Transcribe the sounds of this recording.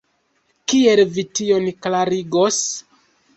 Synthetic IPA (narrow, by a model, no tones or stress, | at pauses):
kie̞lvitio̞nklaɾiɡo̞s